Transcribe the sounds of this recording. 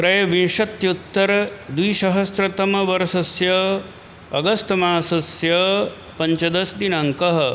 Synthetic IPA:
kɾɐjɐʋinʂɐt̪jut̪ːɐɾɐd̪wiːʃɐɦɐsɾɐt̪ɐmɐʋɐɾɐsɐsjɐ | ɐɡɐst̪ɐmaːsɐsjɐ | pɐɲt͡ʃɐd̪ɐsd̪inɐŋkɐɦɐ̆

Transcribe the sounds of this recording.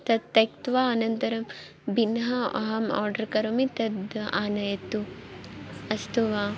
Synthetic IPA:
t̪ɐt̪ːɐkt̪ʋaːɐnɐnt̪ɐɾɐm | binɦɐɐ̰ɦɐmɔ̰ːɾɖɐɾkɐɾɐmit̪ɐd̪aːnɐjɐt̪u | ɐst̪uʋaː

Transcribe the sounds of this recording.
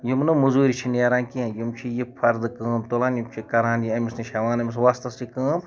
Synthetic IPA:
jimnɨmuzuːɾʲit͡ʃʰineːɾãːnkiãjimt͡ʃʰijipʰɐɾd̪ɨkɨːmt̪olãːnjimt͡ʃʰikɐɾãːnjiɐmʲisnɨʃɐʋaːnɐmʲis̬ʋast̪ɐsikɨːm

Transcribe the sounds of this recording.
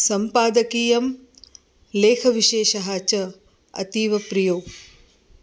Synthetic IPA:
sɐmpaːd̪ɐkiːjɐm | leːkʰɐʋiʃeːʃɐɦaːt͡ʃɐ | ɐ̰t̪iːʋɐpɾijoː

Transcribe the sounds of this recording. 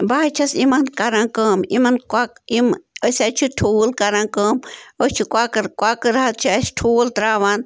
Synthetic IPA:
baːt͡ʃʰɐsimɐnkɐɾãːkəːmimɐnkʷakiməsʲat͡ʃʰiʈʰuːlkɐɾaːkəːmot͡ʃʰikʷaːkɐɾkwaːkɨɾɐɦɐt̪̚t͡ʃʰiɐsʲʈʰuːlt̪ɾaːʋaːn

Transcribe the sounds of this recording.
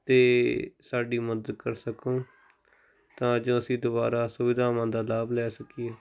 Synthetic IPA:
t̪eːsaːɖiːməd̪əd̪̚kəɾsəkõː | t̪ãːd͡ʒõːəsĩːd̪ʊbaːɾaːsʊʋɪd̪aːmãːd̪aːlaːblɛːsəkɪjeː

